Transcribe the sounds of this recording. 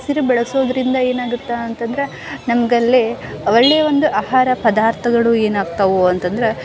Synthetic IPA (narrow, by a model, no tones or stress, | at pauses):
siɾubɛɭɐso̞ːd̪ɐɾind̪ɐe̞ːnaːɡut̪ːaɐnt̪ɐnd̪ɐɾe | nɐmɐɡɐlːiɐʋɐɭːeːʋo̞nd̪uʔaːɦaːɾɐpɐd̪aːɾt̪ʰɐɡɐɭue̞ːnaːɡt̪ɐʋuɐnt̪ɐnd̪ɐɾe